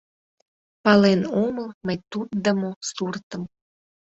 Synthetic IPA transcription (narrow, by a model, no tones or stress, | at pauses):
pɑlenoməlməjt̪ut̪̚d̪əmosurt̪əm